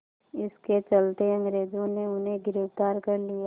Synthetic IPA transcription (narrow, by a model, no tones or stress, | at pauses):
ɪsket͡ʃɐlt̪eɐ̃ŋɡɾeːd͡ʒõneʊnɦẽɡɪɾəft̪aːɾkɐɾlija